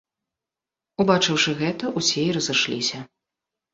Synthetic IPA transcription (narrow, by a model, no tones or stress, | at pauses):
ubat͡ʂɨwʂɨɣɛt̪ɐʔusʲeiɾɐzɨʂlʲḭsʲɐ